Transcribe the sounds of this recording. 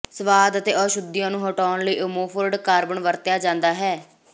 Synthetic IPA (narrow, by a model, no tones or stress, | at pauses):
səʋaːd̪ət̪eːɔːʃʊd̪ɪjãːnũːɦoːʈɔːnləiːʔʊmoːpʰʊɾɖkaːɾbəɳʋəɾt̪jaːd͡ʒãːnd̪aːɦɛː